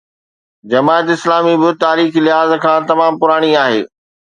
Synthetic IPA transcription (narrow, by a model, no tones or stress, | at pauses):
d͡ʑɐmaːt̪ɪslaːmibɪt̪aːɾiːxlɪɦaːzkʰãːt̪ɐmaːmpʊɾaːɽ̃iaːɦḛː